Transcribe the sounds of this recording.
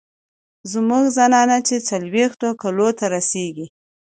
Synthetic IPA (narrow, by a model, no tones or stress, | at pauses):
zmuɡzanɑnat͡ʃet͡salwext̪okalot̪aɾaseɡi